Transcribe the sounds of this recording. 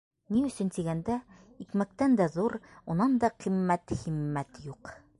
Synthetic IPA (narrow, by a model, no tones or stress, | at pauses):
niɵ̆sɵ̆nt̪iɡænd̪æ | ikmæk̚t̪ænd̪æðuɾunɑnd̪ɑqimːæt̪χimːæt̪juq